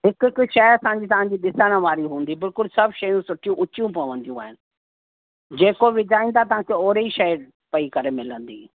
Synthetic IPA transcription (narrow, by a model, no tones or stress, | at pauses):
ɦɪkkʃɐɐsãːɲd͡ʑit̪ɐʋ̤ãɲ̆d͡ʑiɗɪsəɽ̃ə̃ʋaːɾiɦũːn̆d̪ibɪlkʊlsɐbʃɐjũsʊʈʰijũʔʊt͡ɕjũpɐʋə̃nd̪ijũa̰ːɦɪnɪ̆ | d͡ʑeːkoʋɪd͡ʑaːĩnd̪at̪̬ɐɦãkʰeoːɾeiʃɐj | pɐikɐɾemɪlə̃nd̪ḭː